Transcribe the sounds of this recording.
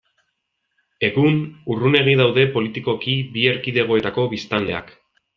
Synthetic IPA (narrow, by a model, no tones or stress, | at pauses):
e̞ɣunurune̞ɣ̞iðawðe̞po̞lit̪iko̞kibie̞ɾkiðe̞ɣ̞o̞e̞t̪ako̞βist̪ale̞a̰k